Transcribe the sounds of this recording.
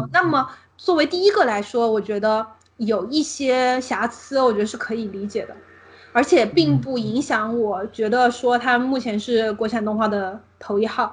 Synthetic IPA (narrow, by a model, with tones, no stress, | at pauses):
na˥˩mə˩ | t͡swɔ˥˩we˧˥ɪt̪i˥˩i˥ɡə˨la˧˥ɪʂwɔ˥wɔ˨˩t͡ɕɥɛ˧˥d̪ə˧ | jo˨˩ʊi˥˩ɕjɛ˥ɕja˧˥t͡sʰɹ̩˥wɔ˨˩t͡ɕɥɛ˧˥d̪ə˧ʂɻ̩˥˩kʰɤ˧˥i˨˩li˧˥t͡ɕjɛ˨˩d̪ə˦ | ə˞˧˥t͡ɕʰjɛ˨˩pi˥˧ŋpu˥˩i˧˥ŋɕjɑ˧˥ŋwɔ˨˩t͡ɕɥɛ˧˥d̪ə˧ʂwɔ˥t̪ʰa˥mu˥˩t͡ɕʰjɛ˧˥nʂɻ̩˥˩kwɔ˧˥t͡ɕʰa˨˩nt̪ʊ˥˧ŋxwa˥˩d̪ə˩ | t̪ʰo˧˥ʊi˥˧xɑ˥˩ʊ